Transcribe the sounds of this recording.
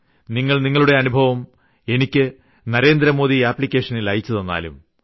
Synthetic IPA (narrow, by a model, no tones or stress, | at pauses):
niŋːɐɭniŋːɐɭuɽe̞ɐnubʱɐʋɐm | e̞nikʲːɨ | nɐɾe̞ːnd̪ɾɐmo̞ːðiaːpːɭikʲːe̞ːʂɐnilɐjit͡ɕːɐðɐnːa̰ːlṵm